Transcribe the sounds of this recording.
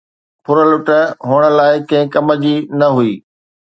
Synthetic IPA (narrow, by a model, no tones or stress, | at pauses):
pʰʊɾəlʊʈə̆ɦʊɽ̃ə̆laːɪkɐ̃ɦɪ̃kɐməd͡ʑiːnɐɦuiː